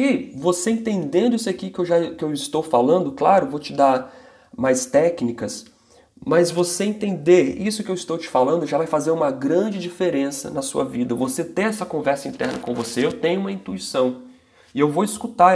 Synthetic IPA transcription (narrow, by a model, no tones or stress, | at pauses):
ivoseẽnt̪ẽnd̪ẽnd̪ʊisakikɪewʒakɪewɪst̪owfalɐ̃nd̪ʊklaɾʊvot͡ʃɪd̪aɾ | majst̪ɛknikɐs | mɐzvoseẽt̪ẽnd̪eɾisʊkɪewist̪owt͡ʃɪ̥falɐ̃nd̪ʊʒavajfazeɾũmɐɡɾɐ̃d͡ʒɪd͡ʒifeɾẽsɐ̰nɐsṵɐ̰vid̪ɐvoset̪eɛsɐkõvɛɾsɐĩnt̪ɛ̰ɾnɐ̰kõvoseewt̪ẽɲ̃ʊũmɐĩnt̪uisɐ̃w̃ | ɪewvowiskut̪a